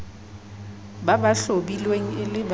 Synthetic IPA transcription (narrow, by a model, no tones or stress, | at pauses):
babaɬobilweŋ̩ɪlɪb